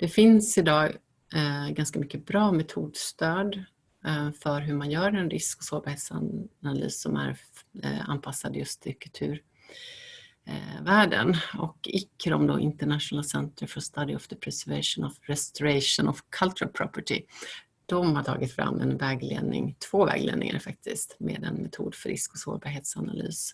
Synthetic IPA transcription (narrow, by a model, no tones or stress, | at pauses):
d̪̥ɛfɪnsɪd̪ɑː | ɡanskamʏkːəbɾɑːmɛt̪ʰuːd̪st̪øːd̪ | fœɾɦɵmanjœːɾɛnɾɪskɔsoːvhɛlsa̰aly̰ːsːɔmæ̰ɾ | a̰nːpʰasːad̪jɵst̪ʰɪlkʰɵlt̪ʰʉ̟ːɾ | væːɖə̰nɔkːɪkːəɾɔmd̪ɔʔɪnt̪əɳat̪ʂʊnɛlːasɛnt̪ɾəfɔst̪ad̪ɪɔfd̪əpʰɾɛsɛɾvɛʂʊnɔvɾɛst̪ʊɾɛʂʊnɔvkʰalt̪ʉɾalpʰɾɔpəʈɪ | d̪̥ɔmhaʈʰɑːɡɪt̪fɾa̰mːɛnvɛːɡlḛːd̪nɪ̰ŋt̪ʰv̥oːvɛ̰ːɡlḛːd̪ɪ̰ŋa̰ɾfak̚t̪ʰɪst̪mḛːd̪ɛnmɛt̪ʰuːd̪fœɾɪskɔso̰ːɾbɑɾɦeːt̪sana̰ly̰ːs